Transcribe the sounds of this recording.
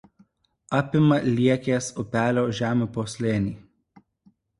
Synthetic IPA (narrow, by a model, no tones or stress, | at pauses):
ɑːpʲɪmɐlʲiɛkʲeːsʊpʲæːlʲoːʒʲæːmʲupoːsʲlʲeːnʲiː